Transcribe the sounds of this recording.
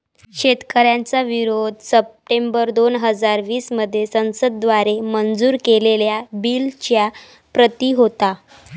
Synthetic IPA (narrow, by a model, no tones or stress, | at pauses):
ɕet̪kəɾjãnt͡saʋiɾod̪səp̚ʈembəɾd̪onɦəd͡zaɾʋiːsməd̪ʱːjesə̃w̃səd̪̚ːʋaɾemənd͡zuːɾkeleljabilt͡ɕja | pɾət̪iɦot̪a